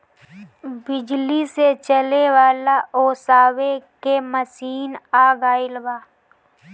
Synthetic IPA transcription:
bɪd͡ʒliset͡ʃəlewaːlaʔoːsaːwekeməsiːnaːɡaːɪlwaː

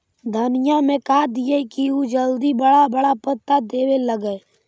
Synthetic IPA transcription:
d̪ʱənɪjamẽkaːd̪ɪjekiud͡ʒəld̪ibəɽabəɽapət̪ːad̪eːweləɡɛ

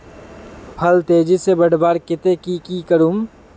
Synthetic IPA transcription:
pʰɐlt̪eːd͡ʒisebəɽbaːɾkɪt̪ekikiːkəɾum

